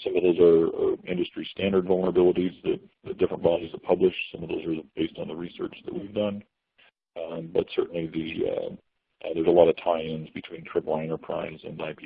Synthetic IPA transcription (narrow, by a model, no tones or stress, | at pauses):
sʌ̃mʌvðoʊzə˞ɪ̃ndɨstɹ̥istæ̃ndə˞dvʌlˠnə˞əbɪlˠəɾizðɨt̚ðɨdɪfɹə̃nb̥ɑɾizðət̚pʰʌblɨʃsʌ̃mʌvðoʊzə˞b̥eɪstn̩ðəɹisɜ̰˞t͡ʃðɨ̰ʔ̚wivdʌ̃n | bʌtsɜ˞ʔn̩liðḭ | ʔðə˞zəlɔɾʌv̥tʰaɪɪ̃nzbɨtʰw̥ĩntʰɹ̥ɪpl̩ˠaɛ̃ñə˞pʰɹ̥a̰ɪzɨ̰̃naɪpʰi